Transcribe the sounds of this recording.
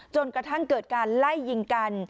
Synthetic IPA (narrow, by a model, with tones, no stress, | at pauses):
t͡ɕo˧nkɾa˧t̪ʰa˥˩ŋkɤː˨˩t̪̚kaː˧nla˥˩jːi˧ŋka˧n